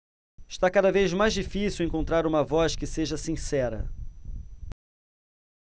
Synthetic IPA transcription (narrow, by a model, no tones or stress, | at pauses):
ɪʃt̪akad̪ɐvejzmajzd͡ʒifisiwẽŋkõnt̪ɾaɾũmɐvɔskɪseʒɐsĩsɛɾɐ̰